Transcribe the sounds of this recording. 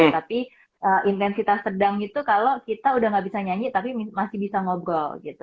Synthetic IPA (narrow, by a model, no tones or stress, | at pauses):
t̪api | ʔəʔint̪ɛnsit̪asːədaŋit̪ukalokit̪audahŋɡabisaɲaɲit̪apimimasɪhbisaŋobɾɔlɡit̪u